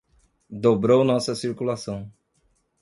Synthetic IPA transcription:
d̪obɾownɔsɐsiɾkulasɐ̃w̃

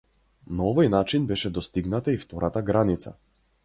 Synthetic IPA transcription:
naɔvɔjnat͡ʃinbɛʃɛd̪ɔst̪iɡnat̪aift̪ɔɾat̪aɡɾanit̪sa̰

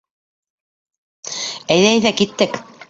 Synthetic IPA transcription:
æjðææjðækit̪ːɘk

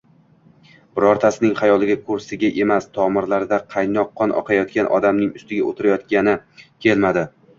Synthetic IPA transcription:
b̥ɪɾɒɾt̪ʰasɪnɪŋχajɒlˠɪɡʲakʰʊɾsɪɡʲaʔe̞mast̪ʰɒmɪɾlaɾd̪aqʰɑjnɒqʰːɒnʔɒ̰qʰɑjɒt̪̚kʲanʔɒ̰d̪amnɪŋʊst̪ɪɡʲaot̪ʰɪɾajɒt̪kʲanɪkʲʰe̞lmad̪ɪ

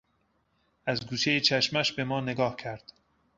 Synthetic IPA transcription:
æzɡuːʃejet͡ʃʰæʃmæʃbe̞mɒːne̞ɡɒːhcʰæɾd̪̥

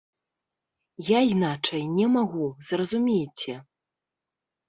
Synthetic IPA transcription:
jainat͡ʂɐjnʲɛmaɣuzrɐzumʲejt͡sʲɛ

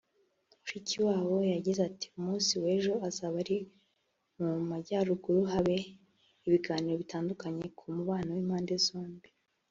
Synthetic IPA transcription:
ɾiciwaːwo̞jaɟizati̥umuːnsiwe̞ːʒo̞azaβaɾi | mumaɟaːɾuɡuɾuɦaβe̞ | iβiɡaːniɾo̞βitaːndukaɲe̞kʰumuβaːnowiːmhaːnde̞zoːmbi

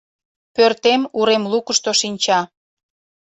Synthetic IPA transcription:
pørt̪emuɾemlukəʃt̪oʃinʲt͡ɕɑ

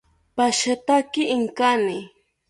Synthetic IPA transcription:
paʃat̪akɪɪŋkanɪ

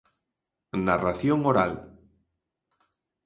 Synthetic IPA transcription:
naraθjoŋoɾa̰l

